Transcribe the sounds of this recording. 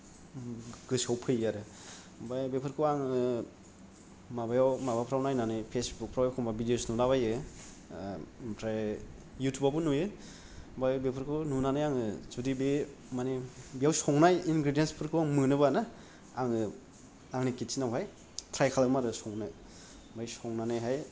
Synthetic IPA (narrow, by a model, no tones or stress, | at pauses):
ɡɯsawpʰɯjaɾɯ | bajbepʰɯɾkʰɯwaŋɯ | mabajawmabapʰɾawnajnanɯpʰesbuk̚pʰɾawjwkʰɔbabidiosnudaβajɯ | pʰɾa | jutʰubabunujɯ | bajbepʰɯɾkʰɯnunanajaŋɯzudibe | manebijawsɔŋnajinɡɾidijenspʰɯɾkʰɯwaŋmɯnɯbana | aŋɯ | aŋnikitt͡ʃinawɦaj | tʰɾajkʰalabmaɾɯsɔŋna | bajsɔŋnanajɦaj